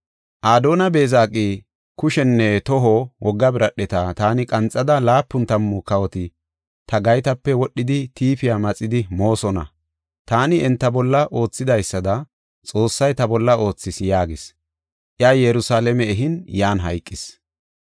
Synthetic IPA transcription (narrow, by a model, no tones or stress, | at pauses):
ʔaːd̪o̞ːnɐbe̞ːzaːkʼi | kʊʃɛnːɛt̪ɔɦɔwʔɔɡːɐbɪɾɐɗːɛt̪at̪aːnɪkʼɐnt͡sʼːɐd̪ɐlaːpːʊnt̪ɐmːʊkɐwɔt̪ɪ | t̪ɐɡɐjt̪ɐpːɛwɔɗːɪd̪ɪt̪iːfɪjamɐt͡sʼːɪd̪ɪmo̞ːsɔnɐ̰ | t̪aːnɪɛnt̪ːɐbɔlːɐʔo̞ːt͡sːɪd̪ɐjsːɐd̪ɐ | t͡sʼo̞ːsːɐjt̪ɐbɔlːɐo̞ːt͡sːɪsjaːɡɪs | ʔɪajɛɾʊsaːlɛmɛɛɦɪnjaːnɦɐ̰jkʼːɪs